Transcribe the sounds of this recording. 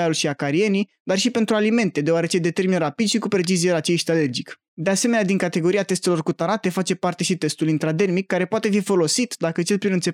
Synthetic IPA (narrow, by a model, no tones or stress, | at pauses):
aulʃiakaɾie̞ni | d̪arʃipe̞nt̪ɾualime̞nt̪e̞d̪eoaɾe̞t͡ʃe̞d̪e̞t̪e̞rminɾapid̪ʃikupɾe̞t͡ʃizijelat͡ʃejʃt̪ale̞rd͡ʒik | d̪e̞ase̞me̞nad̪iŋkat̪e̞ɡo̞ɾiat̪e̞st̪e̞lo̞rkut̪anat̪e̞fat͡ʃe̞part̪e̞ʃit̪e̞st̪ulint̪ɾad̪e̞rmikːaɾe̞poat̪e̞fifo̞lo̞sit̪d̪akət͡ʃe̞lpɾinɨnt̪se